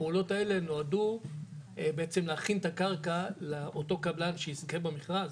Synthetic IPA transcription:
peulo̞tae̞leno̞adu | beet͡se̞mleaχintakaʁkaleʔoto̞kablanʃeiskebamiχʁaz

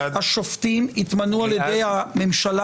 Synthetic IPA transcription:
haʃoftimitmanualjed̪ejhamemʃala

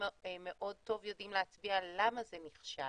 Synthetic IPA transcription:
meʔo̞d̚t̪o̞vjo̞dimleat͡sbialamazeniχʃa

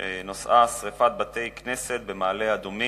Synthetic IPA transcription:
enosʔasʁefat̪̚bat̪e̞jknese̞t̪̚be̞maːlead̪omi

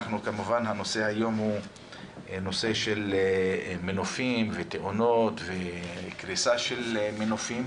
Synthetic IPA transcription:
χnukamuvanhano̞se̞hajo̞mhu | no̞se̞ʃe̞l | menofimvet̪eʔono̞t̪vekʁisaʃelmenofim

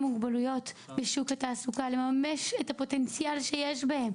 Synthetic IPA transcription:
muɡbalujo̞t̪beʃukataːsukale̞mameʃetapo̞te̞nt͡sjalʃejeʃbahem

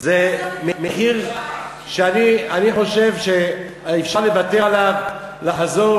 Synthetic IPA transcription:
zememehiʁ | ʃeanianiχo̞ʃe̞vʃe | ifʃaʁlevat̪elav | laħzo̞

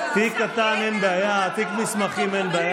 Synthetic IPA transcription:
t̪ikat̪anenbeajat̪ikmismaχimenbeaja

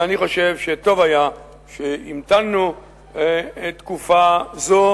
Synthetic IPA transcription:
aniχo̞ʃevʃet̪o̞vaja | ʃeimt̪anːu | et̪kufazo

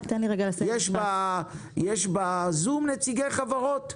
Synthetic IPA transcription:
t̪ɛnliʁeɡalasjɛʃba | jeʃbazumnet͡siɡejχavaʁot̪

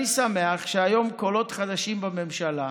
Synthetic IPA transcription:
nisameaχʃeajo̞mko̞lo̞t̪χad̪aʃimbame̞mʃala

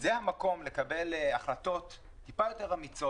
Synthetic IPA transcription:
zehamako̞mlekabe̞laχlato̞t̪ː | ipajo̞te̞ʁamit͡so

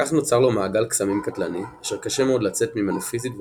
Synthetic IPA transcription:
aχno̞t͡saʁlo̞maːɡalksamimkat̪laniaʃeʁkaʃemeod̪lat͡se̞tmimanafizitb

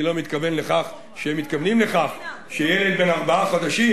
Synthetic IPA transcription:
ilo̞mit̪kave̞nleχaχ | ʃeemːit̪kavnimle̞χaχ | ʃejeled̪̚benaʁbaaχad̪aʃi

